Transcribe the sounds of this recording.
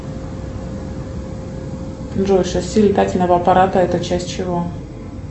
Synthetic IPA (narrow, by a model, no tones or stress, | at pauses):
ʐoʂəsʲilʲɪt̪atʲɪlʲnəvəɐpɐɾat̪əɛt̪ət͡ɕæsʲt̚ʲt͡ɕɪvo